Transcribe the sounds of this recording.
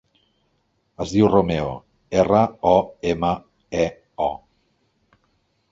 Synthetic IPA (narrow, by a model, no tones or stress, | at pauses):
əzðiwromeo̰ | erəɔemə | ɛ | ɔ